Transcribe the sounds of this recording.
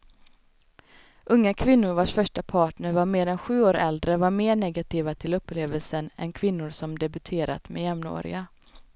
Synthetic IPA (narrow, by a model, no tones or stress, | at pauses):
ʔɵŋːakʰvɪnːʊɾvaʂfœʂʈapʰɑːʈɳəɾvaɾmeːɾɛnɧʉ̟ːoːɾɛld̪ɾəvaɾmeːɳɛɡat̪ʰiːvat̪ʰɪlɵpːleːvəlsənɛ̰nkʰvɪnːʊɾsɔmd̪ɛbɵt̪ʰeːɾa̰t̪mɛjɛmno̰ːɾɪ̰a